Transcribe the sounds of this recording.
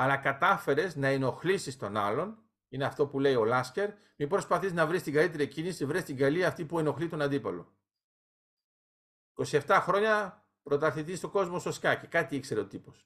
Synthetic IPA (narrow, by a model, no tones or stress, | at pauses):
ɐlɐkɐt̪ɐfe̞ɾe̞znɐeno̞xlisist̪o̞nɐlo̞n | ine̞ɐft̪o̞pule̞io̞lɐsce̞ɾ | mibɾo̞spɐθiznɐvɾist̪iŋɡɐlit̪e̞ɾicinisivɾest̪iɡɐliɐːft̪ipue̞no̞xlit̪o̞nɐnd̪ipɐlo̞̰ | iko̞sie̞ft̪ɐxɾo̞ɲɐ | pɾo̞t̪ɐθit̪ist̪o̞ɡo̞zmo̞soskɐce̞kɐt̪iikse̞ɾe̞ot̪ipo̞s